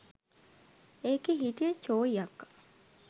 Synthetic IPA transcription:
ekeɦit̪ijət͡ʃoːijɐkː

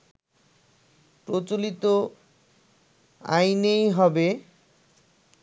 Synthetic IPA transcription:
pɾot͡ɕolit̪o | a̰jnejɦɔbe

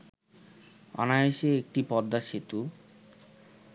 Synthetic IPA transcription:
ɔ̰naeʃeek̚ʈipɔd̪ːaʃit̪u

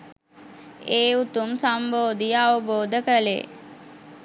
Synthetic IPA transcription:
eːut̪umsamboːd̪ijəaʋəboːd̪əkəlḛ

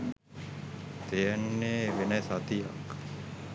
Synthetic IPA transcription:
t̪ejənːeːʋenesat̪ija̰k

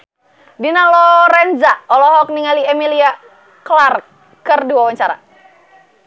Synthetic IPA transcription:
dinalɔɾɛnd͡ʒaɔlɔɦɔk̚niŋaliɛmilia | klar | kərduwawaɲt͡ʃaɾa̰

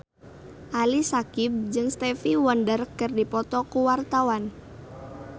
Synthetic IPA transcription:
ʔalisakib̚d͡ʒɨŋst̪ɛfiwɔndərkɨrdipɔt̪ɔkuwart̪awan

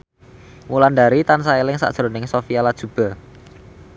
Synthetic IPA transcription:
muland̪aɾit̪ansaelɪŋsa̰d̥ʒ̥ɾo̤nɪŋsofialad̥ʒ̥ṳb̥a̤

